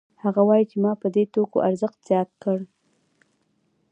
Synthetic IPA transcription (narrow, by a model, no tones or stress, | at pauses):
haɣawɑjit͡ʃemɑpəd̪et̪oko̰ʔaɾzəxt̪z̥jɑt̪̚kəɽ